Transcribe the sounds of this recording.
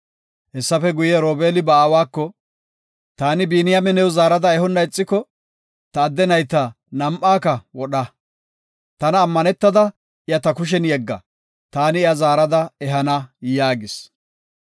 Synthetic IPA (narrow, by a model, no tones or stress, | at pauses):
hɛsːɐfɛɡʊjɛɾoːbeːlɪbɐaːwaːkːɔ | t̪aːnɪbiːnɪjɐmɛnɛwzaːɾɐd̪ɐɛɦɔnːɐɪt͡sʼːɪkːɔ | t̪ɐːd̪ːɛnɐjt̪ːɐ | nɐmʔaːkɐwɔɗɐ | t̪ɐnɐːmːɐnɛt̪ːɐd̪ɐ | ʔɪjɐt̪ɐkʊʃ̬ɛnjɛɡːɐ̰ | t̪aːnɪɪɐzaːɾɐd̪ɐɛɦɐnɐjaːɡɪs